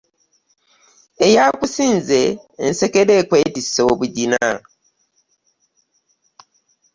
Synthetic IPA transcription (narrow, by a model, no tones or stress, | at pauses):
ejakusiːnzeː | nsekeɾeːkwe̞ːtisoβuɟina